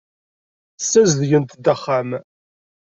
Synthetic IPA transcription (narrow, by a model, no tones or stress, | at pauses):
sːæzðʝənt̪d̪əχːam